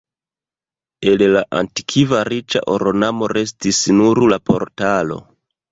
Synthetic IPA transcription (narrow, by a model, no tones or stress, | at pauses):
e̞llaʔa̰nti̥kʰivaɾit͡ʃa̰ʔoɾo̞namo̞ɾe̞s̬tisnuɾlapo̞̰ɾtalo̞̰